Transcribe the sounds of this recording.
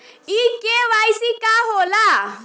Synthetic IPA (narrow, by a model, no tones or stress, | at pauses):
ikeʋajsikaɦola